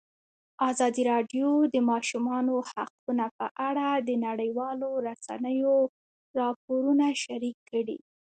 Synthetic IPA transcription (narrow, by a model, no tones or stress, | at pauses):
ɑzɑd̪iɾɑɖjod̪əmɑʃumɑnohaq̚unapəʔaɽad̪ənaɽəjwɑloɾasa̰nəjo | ɾɑp̚oɾunaʃaɾikʰːəɽḭ